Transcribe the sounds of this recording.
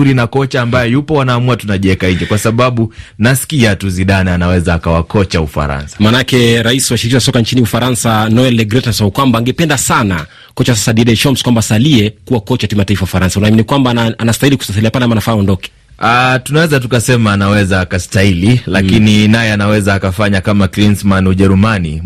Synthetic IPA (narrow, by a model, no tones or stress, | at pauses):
uɾinakɔt͡ʃaːmbajɛjupɔwanaːmuatunaʄiɛkaiɲd͡ʒɛkwasaɓaɓunaskiatuziɗanɛanawɛzaːkawakɔt͡ʃaufa̰ɾa̰nsḁmaːnaakɛɾaiswaʃiɾikizasɔkant͡ʃiniufaɾansanɔɛlɛɡɾɛtasasaukwambaːŋɡɛpɛndasana | kɔt͡ʃasasaɗiɗɛʃɔmskwambasaliɛkuwakɔt͡ʃakimataifawaufaɾansaunaːminikwambaaanastailiku̥sasaliapalɛamanafaːɔndɔkɛ̥ | atunawɛzatukasɛmaːnawɛzaːkastaililakininajɛanawɛzaːkafaɲakamaklinsmanuʄɛɾumani